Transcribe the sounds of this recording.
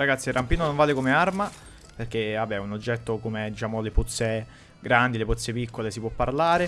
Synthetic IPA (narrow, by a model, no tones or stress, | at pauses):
ɾaɡat̪sirʔampiːnonoɱvaːlekomearma | perk̟eabːɛunod͡ʒːɛt̪ːokomed̪it͡ʃaːmoleput̪sːe | ɡɾand̪ileput̪sːepikːolesipwɔpːaɾlaːɾe